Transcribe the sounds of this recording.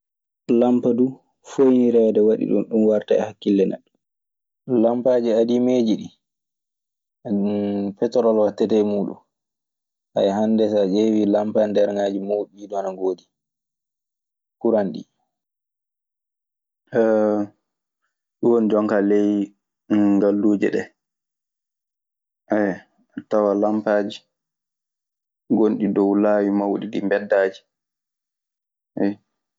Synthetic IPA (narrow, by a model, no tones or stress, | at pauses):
lampadu | fojniɾɛdɛwaɗḭɗṵmɗumwaɾtaɛ̰hakːilːɛnɛ̰ɗːu | lampad͡ʒiadimed͡ʒiɗi | pɛtɔɾɔlwatːɛtɛmuːɗṵm | ʔa̰jɦandɛsaʔewilampandɛɾŋaːd͡ʒimowɓiːɗɔnaŋɡoːdi | kuɾanɗḭ | ɗuwɔnd͡ʒɔŋkalɛj | ŋɡalːuːd͡ʒɛ̰ɗɛ | ʔaj | atawalampaːd͡ʒi | ɡonɗidɔwlaːwimawɗidimbɛdːaːd͡ʒi̥ | ɛj